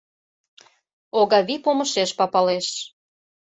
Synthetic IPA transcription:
oɣɑβipomə̆ʃeʃpɑpɑleʃ

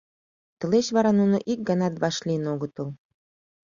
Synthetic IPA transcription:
t̪ə̆leɕβɑɾɑnunoʔik̚ɡɑnɑt̪βɑʃlinoɣə̆t̪əl

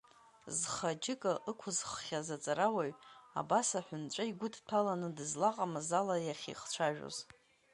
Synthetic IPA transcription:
zχad͡ʒɪkʼɨʔɨkʷʰʊzχχʲazat͡sʼaɾawaɥa̰basaħʷᶣʊnt͡ʃʷʼaiɡʷʊdʰtʰalanɨdɨzlaqʼamazalajaχʲḭχt͡ʃʷʰaʒᶣo̰z

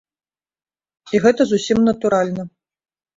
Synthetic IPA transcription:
iɣɛt̪ɐzusʲimnɐt̪uɾalʲnɐ

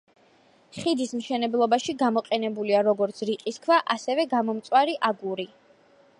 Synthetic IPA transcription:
χid̪ismʃɛnɛblˠɔbaʃiɡamɔqʼɛnɛbuliaɾɔɡɔɾt̪sʰɾiqʼiskʰvaʔasɛvɛɡamɔmt̪sʼwaɾiʔaɡuɾi

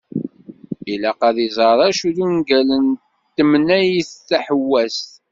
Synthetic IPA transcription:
ilæqɑðizˤɑɾˤɑʃuðunɡælən | t̪ːəmnæjiθːaħəwːæst̪

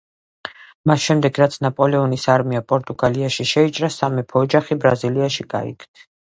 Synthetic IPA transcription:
masʃɛmd̪ɛɡɾat̪sʰnapʼɔlɛɔnisaɾmiapʼɔɾt̪ʼuɡaliaʃiʃɛit͡ʃʼɾasamɛpʰɔːd͡ʒaχibɾaziliaʃiɡʼa̰ḭkʰt̪ʰ

